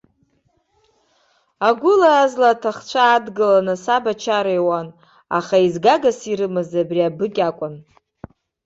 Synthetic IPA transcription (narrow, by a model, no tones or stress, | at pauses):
aɡʷʊlaːzlaːtʰaχt͡ʃʷʰaːdɡɨlanɨsabat͡ʃʰaɾejwan | a̰χaizɡaɡasiɾɨmɨzabriabɨkʲʼakʷʼʊn